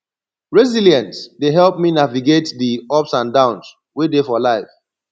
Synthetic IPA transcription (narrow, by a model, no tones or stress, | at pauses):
ɹɛziljɛ̃ntsdeɦɛlˠp̚minaviɡetdiɔpsãndãʊ̃ns | wedefɔlaɪf